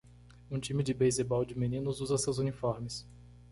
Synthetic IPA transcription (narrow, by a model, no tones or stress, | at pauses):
ũt͡ʃĩmɪd͡ʒɪbejzebawd͡ʒɪmĩnĩnʊzuzɐsewzunifɔɾmɪs